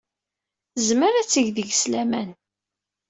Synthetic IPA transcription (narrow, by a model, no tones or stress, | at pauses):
zməɾæt͡sːəʝðəʝslæmæn